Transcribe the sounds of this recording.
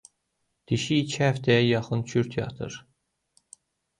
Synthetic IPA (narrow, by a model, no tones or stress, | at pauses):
d̪̥iʃiːt͡ʃʰihæft̪ʰæjæjɑχɯnt͡ʃʰyɾt̪ʰjɑ̰t̪ʰɯ̰ɾ